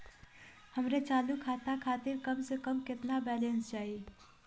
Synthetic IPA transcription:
həmɾet͡ʃalukʰat̪akʰat̪iɾkəmsəkəmket̪nabɛlenst͡ʃaɦi

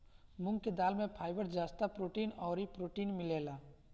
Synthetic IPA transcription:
mʊ̃ŋɡked̪aːlmẽpʰaːɪbəɾzaːst̪apɾoːʈiːnɔːɾipɾoːʈiːnmɪleːlaː

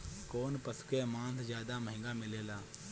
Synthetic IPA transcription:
koːnpəsʊ̥kemãːnt̪ʰzjaːd̪aməɦɪ̃ŋɡamɪleːlaː

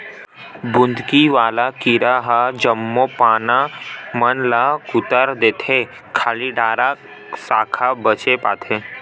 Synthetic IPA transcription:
bʊ̃nd̪ʱkiʋaːlakiɾaɦad͡ʒəmːopaːnamənlakʊt̪əɾd̪eːt̪ʰe | kʰaːliɖaːɾa | saːkʰabət͡ʃepaːt̪ʰe

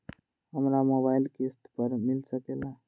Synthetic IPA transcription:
ɦəmɾamobailkesʈpəɾmilsəkela

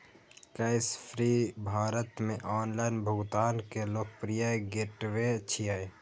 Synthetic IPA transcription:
kaɪspʰɾiːbʱaːɾət̪mẽʔɔːnlaːɪnbʱʊɡt̪aːnkeloːkpɾijaɡeʈʋet͡ʃʰijae

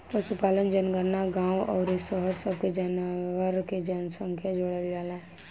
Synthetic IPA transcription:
pəʃupaːlənd͡ʒənɡəɾnaɡãːwɔːɾɪsəɦəɾsəb̚ked͡ʒənʋəɾked͡ʒənsə̃ŋkʰjad͡ʒoɽəld͡ʒaːlaɛ

